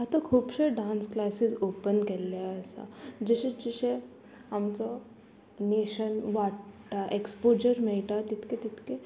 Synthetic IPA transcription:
at̪okʰuːbʃeɖãːnsklaːsɪzoːpənkɐlaɛːsa̰d͡ʒeʃet͡ʃiʃe | ɦɐmso | neːʃənʋaːʈaʔekspoːd͡ʒəɾmeʈat̪ɪt̪ket̪ɪt̪ke

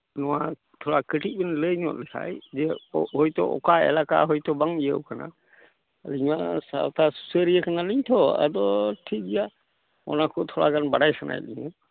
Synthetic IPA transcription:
nɔwa | t̪ʰɔɽakəʈit̪̚bɛnləɲɔt̪̚lɛkʰa̰jd͡ʒɛhɔjt̪ɔ̰ʔɔ̰kaɛ̰laka̰ɦɔjt̪ɔbaŋijəwkana̰ | liɲwasa̰wt̪ʰasu̥səɾijəkanaliɲt̪ʰɔa̰d̪ɔʈʰik̚ɡɛja | ɔ̰nakɔt̪ʰɔɽa̰ɡanbaɽajsana̰jliɲa

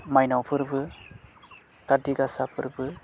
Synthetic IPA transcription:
majnawpʰɯɾbɯ | taɾdiɡasapʰɯɾbɯ

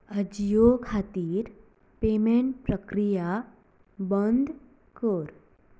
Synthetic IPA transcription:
əd͡ʑjokʰat̪iːɾ | pemeɳʈ̚pɾəkɾija | bənd̪ʱ | kəɾ

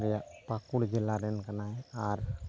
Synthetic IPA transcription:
ɾjapakuɽd͡ʒɪlːaɾɛnkənaɛaɾ

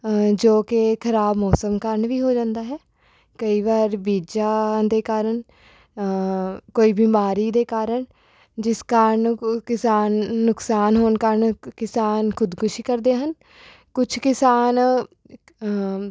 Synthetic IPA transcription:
d͡ʒoːkɪkʰəɾaːbmɔːsəmkəɾəɳʋiːɦoːd͡ʒãːnd̪aːɦɛː | kəiːʋaːɾbiːd͡ʒaːd̪eːkaːɾəɳ | koːiːbiːmaːɾiːd̪eːkaːɾəɳ | d͡ʒɪskaːɾəɳkɪsaːnːʊksaːnɦoːnkəɾɳkɪsaːnkʰʊd̪kʰʊʃiːkəɾd̪eːɦən | kʊt͡ʃʰkɪsaːn

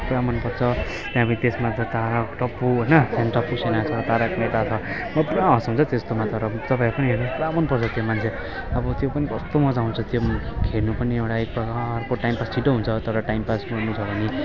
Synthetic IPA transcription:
puɾamʌnpʌɾt͡sʰʌ | t̪jãpʌnit̪esmat̪ʌt̪aɾakʈʌpːuɦʌjnʌsenʈʌpusenat͡sʰʌt̪aɾakmet̪at͡sʰʌ | mʌpuɾaɦʌsɦũnt͡sʰʌt̪est̪omat̪ʌɾʌt̪ʌpaipʌnieɾnupuɾamʌnpʌrt͡sʰʌt̪jomant͡sʰe | ʌbʌt̪jopʌnikʌst̪omʌd͡zaũnt͡sʰʌt̪jokʰeɾnupʌniewɽaek̚pʌkarkoʈajmpastʰiʈoɦunt͡sʰʌt̪ʌɾʌʈajmpasbʌɽnut͡sʰʌbʱʌni

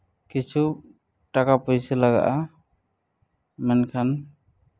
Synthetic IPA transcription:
kit͡ʃʰu | ʈakapɔjsɛlaɡa̰ʔa | mɛnkʰan

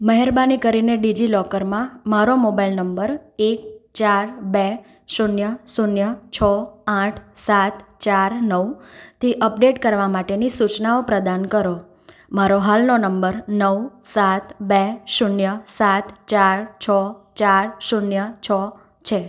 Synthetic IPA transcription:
məɦɛɾbanikəɾineɖid͡ʒilɔkəɾmãmaɾomobailnəmbəɾek̚t͡ʃaɾbe | ʃunjəsunjət͡ʃʰəãʈʰsat̪ʰt͡ʃaɾnəʋut̪ʰiʔəpɖeʈkəɾʋamaʈenisut͡ʃnaopɾəd̪ankəɾo | maɾoɦalnonəmbəɾnəwsat̪beʃunjəsat̪ʰt͡ʃaɾt͡ʃʰət͡ʃaɾsunjət͡ʃʰə | t͡ʃʰe

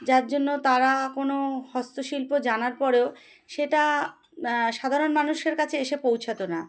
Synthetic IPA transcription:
d͡ʑaɾd͡ʑonːot̪aɾakonohɔst̪oʃilpod͡ʑanaɾpɔɾeo | ʃeʈa | ʃad̪ʱaɾonmanuʃeɾkat͡ɕʰeeʃepowt͡ɕʰat̪ona

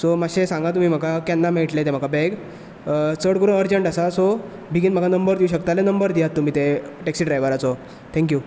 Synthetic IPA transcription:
sɔmaɕesãŋɡat̪um̤iːm̤akakɛnːameʈlet̪em̤akabɛɡ | t͡səɽkəɾuːnəɾd͡ʑəɳʈasasɔ | bʱiɡiːnm̤əkanəmbəɾd̪iuɕəkt̪alenəmbəɾd̪ijat̪ːum̤iːt̪eʈɛksiːɖɾajʋəɾat͡sɔ | t̪ʰɛ̃ŋk̬juː

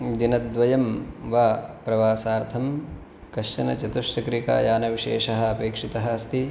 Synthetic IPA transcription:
d̪inɐd̪ʋɐjɐmʋaːpɾɐʋaːsaːɾt̪ʰɐm | kɐʃɐnɐt͡ʃɐt̪uʂɾɐkɾika̰ːjaːnɐʋiʃḛːʂɐɦɐ̆ɐpeːkʂit̪ɐɦɐɐst̪i

